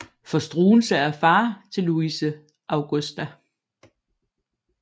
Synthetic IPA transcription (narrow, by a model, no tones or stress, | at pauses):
fɒ̽sd̥ʁuːl̩səæɐfɑ̈ːt͡sʰe̝lːuisə | ʔɑ̈ʊɡ̥ɔsd̥æ